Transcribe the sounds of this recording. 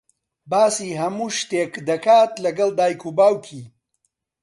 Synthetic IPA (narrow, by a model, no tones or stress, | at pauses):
baːsiɦɐmuːʃt̪eːkd̪ɐkʰaːt̪lɐɡɐld̪aːjkʰubaːwkʰi